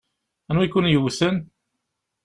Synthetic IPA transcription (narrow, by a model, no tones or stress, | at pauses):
ænwikːʊnjəwθən